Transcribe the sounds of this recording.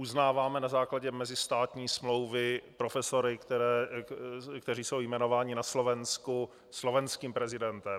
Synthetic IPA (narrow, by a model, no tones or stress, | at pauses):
uznaːvaːmɛnazaːklaɟɛmɛzɪst̪aːt̪ɲiːsmlo̞wvɪpɾofɛsoɾɪkt̪ɛɾɛː | kt̪ɛɾiːso̞wjmɛno̞vaːɲɪnaslo̞vɛnsku | slo̞vɛnskiːmpɾɛzɪdɛnt̪ɛm